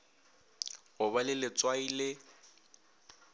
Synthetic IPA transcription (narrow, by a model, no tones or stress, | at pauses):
ɣʊβalɪlɪt͡sʼwailɪ